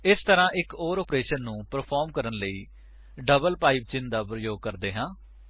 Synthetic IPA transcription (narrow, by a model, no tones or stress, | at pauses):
ɪst̪əɾãːʔɪkoːɾɔːpɾeːʃənːũːpəɾpʰɔːɾmkəɾənləiː | ɖəbəlpaːiːb̚t͡ʃɪnd̪aːpɾəjoːɡ̚kəɾd̪eːɦãː